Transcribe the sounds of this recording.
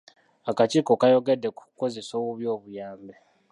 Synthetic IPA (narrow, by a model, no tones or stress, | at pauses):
akat͡ʃiːko̞kajo̞ɡe̞dːe̞ku̥ko̞ze̞soːwuβjo̞ːβujaːmbe